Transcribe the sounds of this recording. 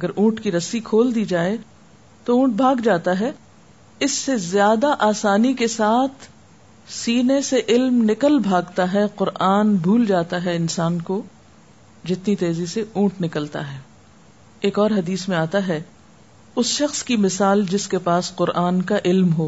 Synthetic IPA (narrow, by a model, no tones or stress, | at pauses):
ɐɡəɾʔũːʈkiɾɐsikʰoːld̪iːd͡ʒaːe | t̪oũːʈ̚bʱaːɡd͡ʒaːt̪aɦɛ | ɪsːezjaːd̪aʔaːsaːnikesaːt̪ʰ | siːneseʔɪlmnɪkəlbʱaːɡt̪aɦɛqʊɾʔaːnbʱuːld͡ʒaːt̪aɦɛɪnsaːnko | d͡ʒɪt̪nit̪eːziseũːʈnɪkəlt̪a̰ɦɛː | eːkɔːɾɦɐd̪iːsmẽaːt̪aɦɛ | ʊsʃɐxskimɪsaːld͡ʒɪskepaːsqʊɾʔaːnkaʔɪlmɦoː